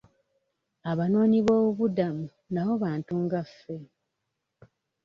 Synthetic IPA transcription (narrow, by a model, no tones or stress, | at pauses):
aβano̞ːɲiβo̞ːβuβudamu | naβo̞βaːntuŋɡafːe̞